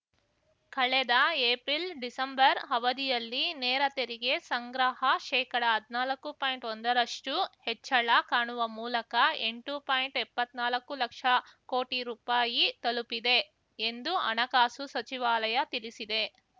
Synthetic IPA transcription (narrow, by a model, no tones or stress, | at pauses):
kɐɭɛd̪ɐeːpɾilɖisɐmbɐɾɦɐʋɐd̪ijɐlːinɛːɾɐt̪eɾiɡe̞sɐŋɡɾaɦɐʃɛːkɐɽɐɦɐd̪ʱinaːlɐkːupaːjiɳʈond̪ɐɾɐʂʈuhɛt͡ʃːɐɭɐkaːɳuʋɐmuːlɐkɐeɳʈupaːjiɳʈɛpːɐt̪naːlɐkːulɐkʂɐko̞ːʈiɾuːpaːjit̪ɐlupid̪e̞ | end̪uɐ̰nɐkaːsusɐt͡ʃiʋaːlɐjɐt̪ilisid̪e̞